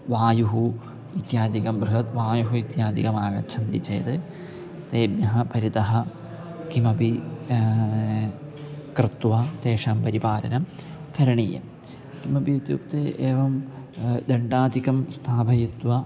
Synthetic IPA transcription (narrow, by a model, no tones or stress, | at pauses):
ʋaːjuɦu | it̪jaːd̪ikɐmbɾɨɦɐt̪ʋaːjuɦuit̪jaːd̪ḭkɐmaːɡɐ̰t͡ɕʰɐnd̪ḭt͡ɕḛːt̪ɨ | t̪eːbjɐɦɐpɐɾit̪ɐɦɐ | kimɐbi | kɾɨt̪ːʋɐt̪eːʂaːmpɐɾibaːɾɐ̰nɐmkʰɐɾɐɳiːjɐ̰m | kimɐbijɐt̪jṵkt̪eʔeːʋɐmd̪ɐɳɖaːd̪ʱikɐmst̪ʰaːbʱɐjit̪ʋɐ